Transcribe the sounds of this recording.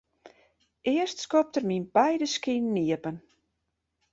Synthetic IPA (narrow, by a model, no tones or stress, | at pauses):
ʔɪəstskɔp̚tərminbɛjdəskinːiəpən